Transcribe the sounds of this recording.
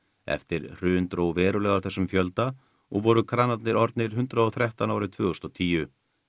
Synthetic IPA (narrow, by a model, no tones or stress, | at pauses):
ɛ̰ft̪ɪɾr̥ʏːnt̪ɾowvɛːɾʏlɛːɣaɾθɛsːʏmfjœlt̪a | ɔɣvɔɾʏkʰɾaːnat̪nɪɾɔɾt̪nɪɾ̥ɦʏnt̪ɾaɔθɾjɛht̪anaːwɾɪt̪ʰvʏːɣɔst̪ɔt̪ʰiːjʏ